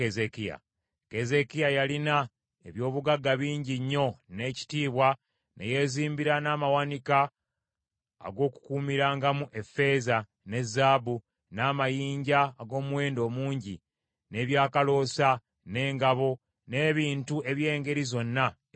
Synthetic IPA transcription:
ezekia̰ | ke̞ze̞kijajalina | eβjo̞ːβuɡaɡːaβiːɲɟiɲːo̞ne̞ːci̥tiːβwa | nʔḛje̞ziːmbiɾanaːmawanika | ɡo̞ːku̥kuːmiɾaːŋɡamuʔefe̞za | ne̞zaːbu | naːmajiːɲɟaːɡo̞ːmuwe̞ːndo̞ːmuːɲɟi | ne̞βjaːkalo̞sa | ne̞ːŋɡaβo̞ | ne̞ːβiːntue̞βje̞ːŋɡe̞ɾizo̞nːa

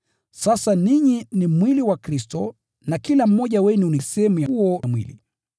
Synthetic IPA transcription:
sasaniɲinimwiliwakɾistɔ | nakilam̩mɔʄawɛnuunisɛhɛmujaɔmwḭlḭ

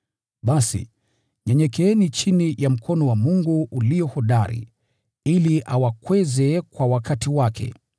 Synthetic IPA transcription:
ɓasḭ | ɲɛɲɛkɛɛnit͡ʃinijam̩kʰɔnɔwamuŋɡuʔuliɔhɔɗaɾḭ | iliʔawakwɛzɛkwawakatiwakʰɛ̰

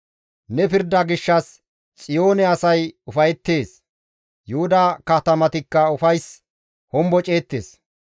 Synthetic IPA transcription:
nɛpɪɾd̪ɐɡɪʃːɐs | t͡sʼɪjo̞ːnɛɐsɐjʊfɐjɛt̪ːeːs | jʊhʊd̪ɐkɐt̪ɐmɐt̪ɪkːɐʊfɐjs | hɔmbɔt͡ʃʼeːt̪ːe̞̰ːs

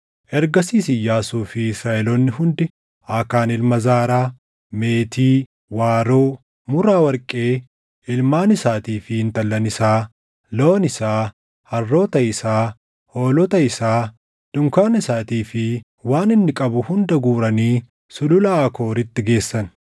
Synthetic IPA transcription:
ʔɛɾɡɐsiːsɪjːaːsuːfɪɪsɾaːʔɛlɔnːɪɦʊnd̪ɪ | akaːnɪlmɐzaːɾaː | me̞ːt̪iː | waːɾoː | mʊɾaːwɐɾkʼe̞ː | ɪlmaːnɪsaːt̪iːfɪɪnt̪ɐlːɐnɪsaː | lo̞ːnɪsaː | hɐrːo̞ːt̪ɐɪsaː | ho̞ːlɔt̪ɐɪsaː | d̪̥ʊŋkaːnɪsaːt̪iːfɪ | waːnɪnːɪkʼɐbʊhʊnd̪ɐɡuːɾɐniː | sʊlʊlɐːko̞ːɾɪt̪ːɪɡe̞ːsːɐn

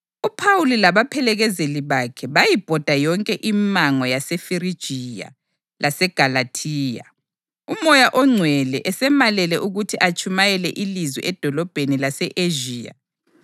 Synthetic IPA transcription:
upʰawulilaβapʰɛlɛɣɛzeliβakʰɛβajib̥ʱɔd̥ʱajɔŋkʼɛʔimaŋɔjasɛfiɾid̥ʒ̥ʱija̰ | lʔasɛɡ̥ʱalatʰiːja̰ | umɔjaʔɔŋ͡ǀʱwɛlɛʔɛsɛmalɛlɛʔuɣutʰiʔat͡ʃʰʼumajɛlɛʔilizwḭʔɛd̥ʱɔlɔb̥ʱenilasɛʔeʒiːja̰

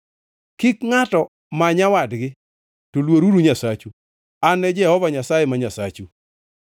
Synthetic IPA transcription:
kikŋatɔ | maɲawadɡɪ | tolwoɾuɾuɲasat͡ʃu | anɛd͡ʒɛhɔvaɲasajemaɲasa̰t͡ʃu

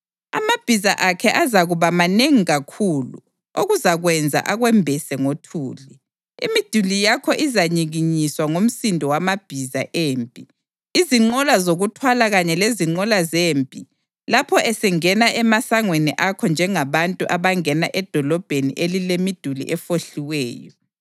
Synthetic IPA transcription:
a̰mab̥ʱizaʔakʰɛʔazaɣuβamaneŋiɣakʰuːlṵ | oɣuzaɣwɛnd͡zʱa̰ʔaɣwɛmbʱɛsɛŋotʰuːli | ḭmid̥ʱulijakʰɔʔizaɲiɣiɲiswaŋom̩sindʱɔwamab̥ʱiza̰ʔeːmpʼi | iziŋ͡ǃɔlazoɣutʰwalaɣaɲɛleziŋ͡ǃɔlazeːmpʼi | lapʰɔʔɛsɛŋɛnaʔɛmasaŋweniʔakʰɔnd͡ʒʱɛŋaβantʼuʔaβaŋɛna̰ʔɛd̥ʱɔlɔb̥ʱenḭʔelilemid̥ʱulḭʔɛfoɬiwɛ̰ːjɔ

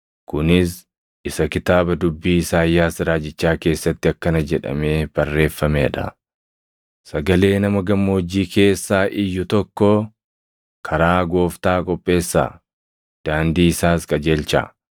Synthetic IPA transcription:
kʊnɪs | ɪsɐkɪt̪aːbɐd̪ʊbːiːsaːjːaːsɪɾaːd͡ʒɪt͡ʃːaːke̞ːsːɐt̪ːɪɐkːɐnɐd͡ʒɛᶑɐ̰me̞ːb̥ɐrːe̞ːfːɐmḛːᶑɐ̰ | sɐɡɐle̞ːnɐmɐɡɐmːo̞ːd͡ʒːiːkʰe̞ːsːaːʔɪjːʊt̪ɔkːɔ | kʰɐɾaːɡo̞ːft̪aːkʼɔpʼːe̞ːsːa̰ː | d̪̥aːnd̪iːɪsaːskʼɐd͡ʒe̞ːlt͡ʃa̰ː

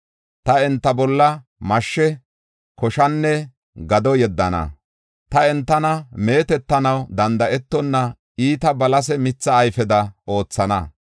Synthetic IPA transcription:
t̪ɐɛnt̪ːɐbɔlːɐ | mɐʃːɛ | kɔʃɐnːɛ | ɡɐd̪ɔjɛd̪ːɐnɐ̰ | t̪ɐɛnt̪ːɐnɐme̞ːt̪ɛt̪ːɐnɐwd̪ɐnd̪ɐʔɛt̪ːɔnːɐ | iːt̪ɐbɐlɐs̬ɛmɪt͡sːɐːjfɛd̪ɐo̞ːt͡sːɐnɐ

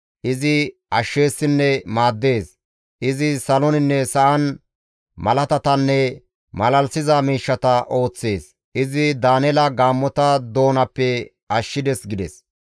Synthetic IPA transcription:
ʔɪzɪɐʃːe̞ːsːɪnːɛmaːd̪ːe̞ːs | ʔɪzɪsɐlɔnɪnːɛsɐʔɐn | mɐlɐt̪ɐt̪ɐnːɛ | mɐlɐlsɪzɐmiːʃːɐt̪ɐʔo̞ːt͡sːe̞ːs | ɪzɪd̪aːnɛlɐɡaːmːɔt̪ɐd̪o̞ːnɐpːɛ | ɐʃːɪd̪ɛsɡɪd̪ɛs

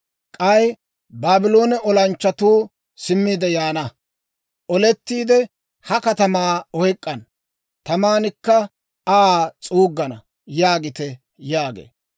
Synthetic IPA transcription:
kʼɐj | baːbɪlo̞ːnɛʔɔlɐnt͡ʃːɐt̪uː | sɪmːiːd̪ɛjaːnɐ | ʔɔlɛt̪ːiːd̪ɛ | hɐkɐt̪ɐmaːɔjkʼːɐn | t̪ɐmaːnɪkːɐ | aːt͡sʼuːɡːɐnɐ | jaːɡɪt̪ɛ | jaːɡḛː

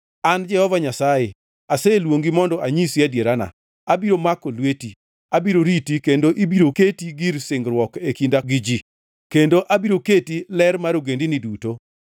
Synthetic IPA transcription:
and͡ʒɛhɔvaɲasaje | aselwoŋɡimɔndɔʔaɲisiadjeɾana̰ | abiɾomakolweti | abiɾoɾitikendoʔibiɾoketiɡiɾsɪŋɡɾwɔkekindaɡid͡ʒi | kendoʔabiɾoketilɛɾmaɾoɡendiniduto

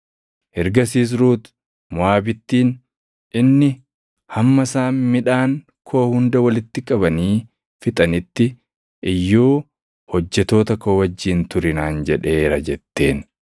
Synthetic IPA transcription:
ʔɛɾɡɐs̬iːs̬ɾuːt̪ | mʊaːbɪt̪ːiːn | ʔɪnːɪ | hɐmːɐsaːnmɪᶑaːŋ | kʰo̞ːhʊnd̪ɐwɐlɪt̪ːɪkʼɐbɐniː | fɪt̪ʼɐnɪt̪ːɪ | ʔɪjːoː | hɔd͡ʒːɛt̪o̞ːt̪ɐkoːwɐd͡ʒːiːnt̪ʊɾɪnaːnd͡ʒɛᶑe̞ːɾɐd͡ʒɛt̪ːe̞ːn

